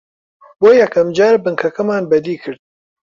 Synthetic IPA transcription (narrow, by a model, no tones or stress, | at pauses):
boːjɐkʰɐmd͡ʒaːɾbɨŋkʰɐkɐmaːnbɐd̪iːkʰɨɾd̪̚